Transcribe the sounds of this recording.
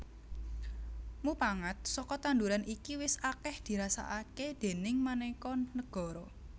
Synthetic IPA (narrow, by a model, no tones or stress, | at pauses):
mupaŋət̪̚sɔkɔt̪and̪uɾanʔikiwɪsakɛhd̪̥i̤ɾasa̰ʔaked̪̥e̤nɪŋmanɛkɔnəɡ̥ɔ̤ɾɔ